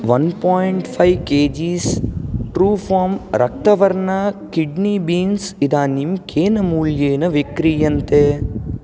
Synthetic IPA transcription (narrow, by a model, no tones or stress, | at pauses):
ʋɐnpaːjɳʈfɐɪʋkeːd͡ʒiːsʈɾuːfaːmɾʔɐk̚t̪ɐʋɐɾnaːkɪɖnibiːnsɪd̪aːnimkʰeːnɐmuːljeːnɐʋɪkɾijɐnt̪eː